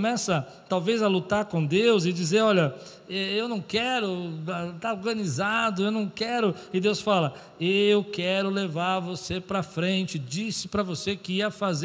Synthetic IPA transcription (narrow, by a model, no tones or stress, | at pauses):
mɛsɐ | t̪awvezɐlut̪aɾkõd̪ewzɪd͡ʒizeɾɔʎɐ | ɛewnɐ̃w̃kɛɾʊɛt̪aoɾɡɐ̃nizad̪ʊewnɐ̃w̃kɛɾʊɪd̪ewsfalɐ | eewkɛɾʊlevaɾvosepɾɐfɾẽnt͡ʃɪd͡ʒisɪpɾɐvosekɪiɐfaze